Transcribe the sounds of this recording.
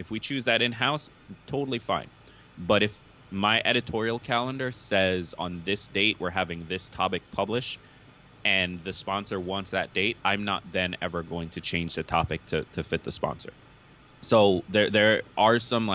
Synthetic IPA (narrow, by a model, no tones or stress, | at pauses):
ɨfwit͡ʃʰʉzðɨɾɨ̃nɦaʊs | tʰoʊɾl̩ˠifã̰ɪ̃n | bʌɾɨf | maɪʔɛɾɨtʰɔɹil̩ˠkʰælˠə̃ndə˞sɛzn̩ðɪsd̥eɪʔwʔɪ˞ɦævɪ̃ŋðɪstʰɑpɨk̚pʰʌblɨʃt | ɨ̃nðɨspɑ̃nsə˞wɑ̃nsðɨ̰t̚d̥eɪɾã̰ɪ̃mnə̰t̪̚ðɨ̃nɛ̰və˞ɡoʊɪ̃ŋtʰɨt͡ʃʰẽɪ̃nd͡ʒðɨtʰɑpɨk̚tʰɨɾʰɨfɪt̪̚ðəspɑ̰̃nsə̰˞ | soʊðə˞ðə˞ʔə˞sʌ̃mla